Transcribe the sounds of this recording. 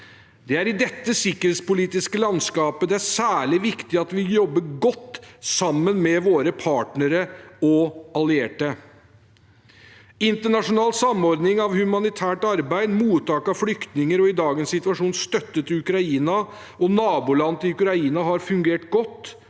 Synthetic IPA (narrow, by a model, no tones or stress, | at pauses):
d̪ɛæɾɪd̪ɛt̪ːəsɪkːəɾheːt̪spʊliːt̪ɪskəlɑnskɑːpəd̪ɛæsæːɭɪʋɪkt̪ɪɑt̪ʋɪjɔbːəɡɔt̪ːsɑmːənmɛʋoːɾəpʰɑːʈnəɾəɔɑlɪeːʈə | ɪnt̪əɳɑʂʊnɑːlsɑmɔɾd̪nɪŋɑʋhʉmɑnɪt̪ʰæːʈɑɾbæɪd̪muːt̪ʰːɑːkɑʋflʏkt̪nɪŋəɾɔɪd̪ɑːɡənsɪt̪ʋɑʂuːnst̪œt̪ːət̪ɪʉkɾɑiːnɑ | ʔɔnɑːbuːlɑnt̪ɪɪʉkɾɑiːnɑɦɑɾfʉŋɡeːʈɡɔt̪ː